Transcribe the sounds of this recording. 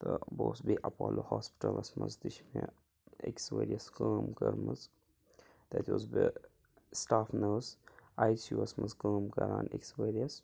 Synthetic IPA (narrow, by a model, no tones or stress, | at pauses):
t̪əboːsbiʔɐpaːlohaːspi̥ʈɐlɐsmɐ̰nzd̪iʃme | eksʋeːɾiɐskaːmkɐɾmɐz | d̪̥ɛt̪ʋozbe | sʈaːfnəsajsuːɐsmɐzkaːmkɐɾaːneksʋeːɾiɐs